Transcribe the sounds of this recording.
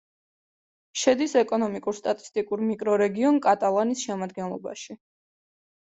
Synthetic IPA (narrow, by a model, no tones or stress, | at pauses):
ʃɛd̪isɛkʼɔnɔmikʼuɾst̪ʼat̪ʼi̥st̪ʼikʼuɾmikʼɾɔɾɛɡiɔnkʼat̪ʼalˠanisʃɛmad̪̚ɡɛnlˠɔba̰ʃi